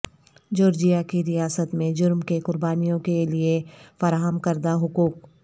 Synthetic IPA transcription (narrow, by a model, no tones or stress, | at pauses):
d͡ʒoːɾd͡ʒijakiɾijaːsət̪mẽd͡ʒʊɾmkekʊɾbaːnijõkeliefɐɾaːɦəmkɐɾd̪aɦʊkuːk̚